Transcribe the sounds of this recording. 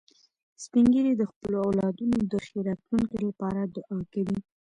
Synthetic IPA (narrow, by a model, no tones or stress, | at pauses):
spiŋɡəɾid̪əxpəloawlɑd̪unod̪əxeɾat̪luŋkelapɑɾad̪ʊʔɑkawi